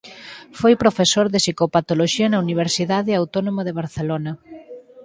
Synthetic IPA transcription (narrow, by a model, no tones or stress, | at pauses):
fojpɾofesoɾðesikopat̪oloʃiɐnɐuniβ̞eɾsiðaðeawt̪onomɐðeβ̞aɾθelonɐ